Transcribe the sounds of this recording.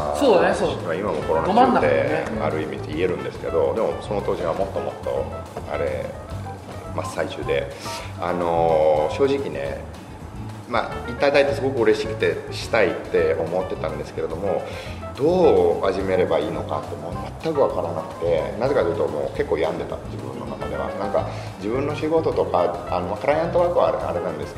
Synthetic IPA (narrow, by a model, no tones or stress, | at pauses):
asoomaimamo̞ko̞ɾo̞nkaaad̪ḛa̰ɾɯ̟imʲi̥ie̞ɾɯ̟̃nd̪e̞sɨ̥ke̞d̪o̞d̪e̞mo̞̰so̞no̞t̪o̞ːʑiɡamo̞t̪ːo̞mo̞̰t̪ːo̞̰ | a̰ɾe̞̰ | masait͡ɕɨːd̪e̞ | ano̞ɕo̞ːʑikʲine̞̰ | ma̰it̪ːaid̪ait̪ːesɨɡo̞kɯ̟ɯ̟ɾe̞ɕi̥kɯ̟̥t̪e̞ɕi̥t̪ait̪ːe̞o̞mo̞t̪ːe̞t̪ãnd̪e̞sɨ̥ke̞ɾe̞d̪o̞mo̞ | d̪o̞ːaʑime̞ɾe̞baiːnoka̰t̪ːemoːmat̪ːakɯ̟βakaɾanakɯ̟̥t̪e̞naze̞kat̪iɯt̪omo̞̰ːke̞kːo̞ːjãnd̪e̞t̪a̰d͡ʑibɯ̟̃nːo̞na̰kad̪e̞̰βa̰nãŋka̰ | d͡ʑibɯ̟̃nːo̞ɕiɡo̞t̪o̞t̪o̞kaano̞makaɾajãnt̪o̞βakɯ̟βa̰a̰ɾe̞nãnd̪e̞sɨ̥